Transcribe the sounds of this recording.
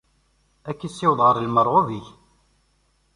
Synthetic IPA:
ækːisːɪwðˤʁəɾˤlməɾˤʁoviç

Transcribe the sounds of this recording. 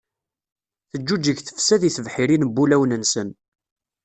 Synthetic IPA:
θəd͡ʒːud͡ʒəʝθə̥fsæðiθəvħiɾinbːulæwnənsən

